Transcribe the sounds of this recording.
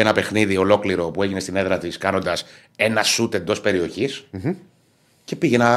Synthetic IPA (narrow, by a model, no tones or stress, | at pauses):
enɐpe̞xniðio̞lo̞kliɾo̞pue̞ʝinest̪ine̞ðɾɐt̪iskɐno̞nd̪ɐs | e̞nɐsut̪e̞nd̪o̞spe̞ɾio̞çis | ce̞piʝe̞nɐ